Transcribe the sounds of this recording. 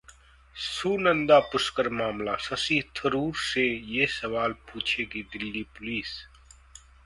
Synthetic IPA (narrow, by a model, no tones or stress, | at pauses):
suːnə̃nd̪apʊskəɾmaːmlasɐsiːɦt̪ʰəɾuːɾsejesɐʋaːlpuːt͡ʃʰekid̪ɪlːipʊliːs